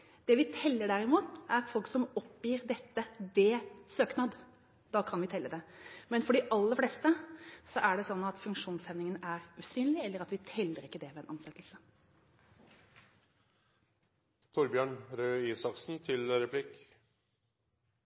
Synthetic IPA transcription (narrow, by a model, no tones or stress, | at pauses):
d̪̥ɛʋɪt̪ʰɛlːəɖæɾɪmuːt̪æɾfɔlksɔmɔpːjiːɾd̪ɛt̪ːəd̪eːsøːknɑːd̪ | d̪̥ɑːkʰɑnʋɪt̪ʰɛlːəd̪ɛmɛnfɔɖɪʔɑlːəɾflɛːst̪əsɔʔæɖɛsɔnːɑt̪fʉŋkʂuːnsɛʋnɪŋənæɾʉːsyːnlɪɛlːəɾɑt̪ʋɪt̪ʰɛlːəɾɪkːəd̪ɛʋɛɛnʔɑnsɛt̪lsə | t̪ʰʊɾbjøːɳɾøːiːsɑksn̩t̪ʰɪlɾɛpʰlɪk